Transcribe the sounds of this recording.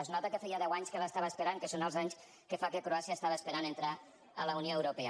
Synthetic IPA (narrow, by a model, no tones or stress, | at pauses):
əznɔt̪əkəfɛjaðɛwaɲskələst̪aβəːspəɾaŋkəsonəlˠzaɲs | kəfakekɾoasiəːst̪aβəːspəɾanənt̪ɾa | ələunioewɾupɛə